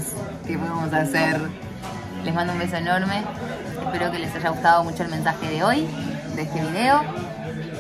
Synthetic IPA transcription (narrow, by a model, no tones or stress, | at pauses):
s | kepoðemos̬aseɾ | lesmand̪oumbes̬o̞enoɾme̞ | espeɾo̞kelesaʒaɣust̪aðomut͡ʃoelme̞nsaxeð̞eo̞jd̪eest̪eβiðe̞o